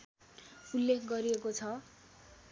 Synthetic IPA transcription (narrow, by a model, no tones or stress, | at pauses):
ulːekʰɡʌɾiekot͡sʰʌ